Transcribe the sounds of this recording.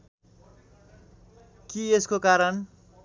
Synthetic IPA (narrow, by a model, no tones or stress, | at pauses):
kieskokaɾʌn